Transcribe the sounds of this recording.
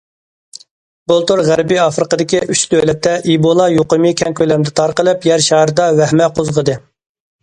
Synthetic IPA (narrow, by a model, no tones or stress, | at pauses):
b̥olˠt̪oɾʁæɾbiɑfɾəqəd̪ɪkʲiʔyt͡ʃd̪ølɛt̪ʰːɛʔibolˠɑjoqəmɨkʲʰɛŋkʲøjlɛɾmd̪ɛt̪ʰɑɾqəlˠɨpjæɾʃɑɦɾd̪ɑwɛhmɛqʰozʁəd̪ɨ